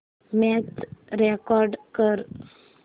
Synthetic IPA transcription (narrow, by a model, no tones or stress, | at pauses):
mɛtɾekɔɾɖkəɾ